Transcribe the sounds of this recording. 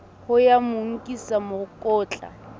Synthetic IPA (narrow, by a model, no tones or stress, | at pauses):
hʊjamʊŋ̩kʼisamʊkʼɔːt͡ɬʼa̰